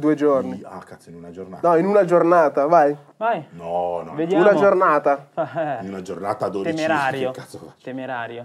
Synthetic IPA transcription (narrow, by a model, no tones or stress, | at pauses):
d̪uːed͡ʒorniakːat̪sinunad͡ʒornanɔinunad͡ʒornaːt̪avaj | vajnɔnɔved̪jaunad͡ʒornaːt̪ainunad͡ʒornaːt̪ad̪od̪t͡ʃɾaɾokːat̪sovat̪emeɾaːɾjo